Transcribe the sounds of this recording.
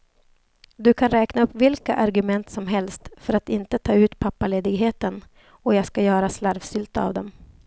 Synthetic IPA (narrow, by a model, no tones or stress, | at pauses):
d̪ɵkʰanɾɛːknaɵpːvɪlka̰ʔaɾɡɵmɛnt̪sɔmɦɛlst̪fœɾat̪ɪnt̪ət̪ʰɑːʉ̟ːt̪pʰapːaleːd̪ɪɡɦeːt̪ən | ɔjɑːɡskajœːɾaslaɾvsʏlt̪əa̰vd̪ɛm